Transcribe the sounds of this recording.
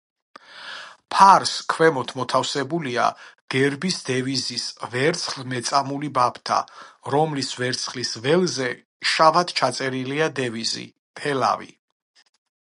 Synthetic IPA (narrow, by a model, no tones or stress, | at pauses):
pʰaɾskʰwɛmɔt̪ʰmɔt̪ʰafsɛbulia̰ɡ̥ɛɾbisd̪ɛvizisvɛɾt̪sʰχlmɛt̪sʼamulibapʰt̪ʰa̰ɾɔmlisvɛɾt̪sʰχlisvɛlzɛ | ʃavat̪t͡ʃʰat̪sʼɛɾiliad̪ɛvizḭ | pʰɛla̰vḭ